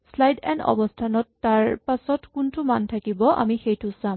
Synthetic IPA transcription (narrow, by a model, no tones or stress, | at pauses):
slajdɛnɔ̰bɔstʰanɔtːaɹpasɔtkuntʊmantʰakibɔʔa̰mixejtʊsam